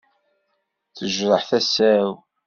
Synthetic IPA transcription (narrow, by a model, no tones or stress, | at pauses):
θəʒɾˤəħθæsæw